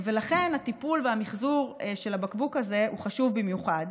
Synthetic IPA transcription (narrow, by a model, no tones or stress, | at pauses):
ve̞laχe̞nat̪ipulveamiχzuʁʃelabakbukaze̞huχaʃuvbimjuχad